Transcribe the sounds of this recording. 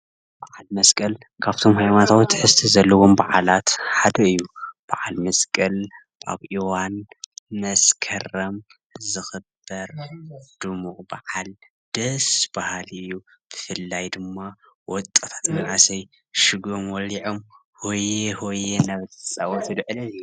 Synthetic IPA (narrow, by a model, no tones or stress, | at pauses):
b̥aʕalmɐskʼɐl | kʰaβt̪ʰo̞mhajmant̪ʰawt̪ʰħɨst̪ʰizɐlːɐwombaʕalat̪ħad̪ɐɨjːub̥aʕalmɐskʼɐl | ʔa̰βʔiwanmɐskʰɐɾɐm | zɨxɨb̥ɐɾd̪̥ɨmuqʼbaʕal | d̪̥ɐsb̥ahalɨjːub̥ɨfɨlːajd̪ɨmːa | wɔt̪ʼːɐt̪ʰḁt̪mɐnʕasɐj | ʃɨɡomwɔliʕom | hojehojenaβt̪ʰɨ̥sʼawɔt̪ʰɨd̪ʕɨlɐnju